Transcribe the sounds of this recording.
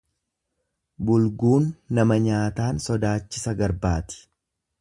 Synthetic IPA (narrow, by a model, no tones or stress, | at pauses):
bʊlɡuːnːɐmɐɲaːt̪aːnsɔd̪aːt͡ʃːɪsɐɡɐɾbaːt̪ɪ̥